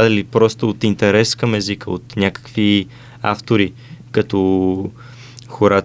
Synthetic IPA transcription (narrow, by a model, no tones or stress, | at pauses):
ad̪əlipɾɔst̪oot̪int̪ɛɾɛskəmɛzikəo̰t̪nʲakə̥kvi | a̰ft̪oɾi | kɐt̪o | xoɾa